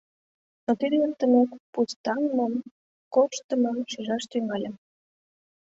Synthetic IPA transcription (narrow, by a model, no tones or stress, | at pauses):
not̪iɾert̪ə̆mekpust̪ɑŋmom | korʃt̪ə̆məmʃyʒɑʃt̪yŋɑlʲə̆m